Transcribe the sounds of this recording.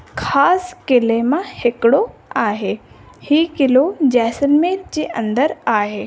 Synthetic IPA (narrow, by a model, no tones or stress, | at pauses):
kʰaːskɪlemãhɪkɪɽoaːɦeː | hiːkɪlod͡ʑɛːsənmeːɾd͡ʑeːʔɐ̰̃nd̪əɾaːɦeː